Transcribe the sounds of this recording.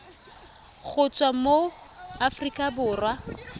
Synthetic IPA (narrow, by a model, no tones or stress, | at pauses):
ɣʊt͡sʼwamo | afrikʼabʊːrwa